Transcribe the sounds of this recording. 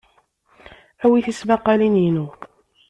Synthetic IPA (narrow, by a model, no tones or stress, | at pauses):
æwiθismæqːɑlinjinu